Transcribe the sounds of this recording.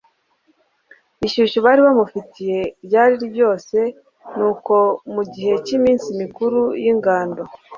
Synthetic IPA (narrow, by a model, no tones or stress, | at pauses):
iʃuːʃuβaɾiβamufitʰije̞bɟaːɾiɾibjo̞ːse̞ | nuːko̞muɟihe̞cimiːnsimikuɾujiŋɡaːnda